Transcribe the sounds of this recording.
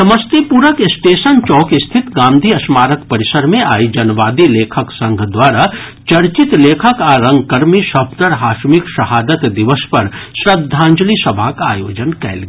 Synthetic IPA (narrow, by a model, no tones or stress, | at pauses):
sɐməst̪epuɾəkɪsʈeːʃənt͡ʃɔːkɪst̪ʰɪt̪ɡãːmd̪ʱiɐsmaːɾəkpɐɾɪsəɾmẽaːid͡ʒɐnʋaːd̪ileːkʰəksɐ̃ŋɡʱd̪waːɾa | t͡ʃɐɾt͡ʃɪt̪leːkʰəkaɾɐ̃ŋɡkɐɾmiʃɐb̚d̪əɾɦaːʃmɪkʃɐɦaːd̪ət̪d̪ɪʋəspɐɾʃɾɐd̪ʱːãːɲd͡ʒlisɐbʱakaːjoːd͡ʒənkɛ̰ːlɡ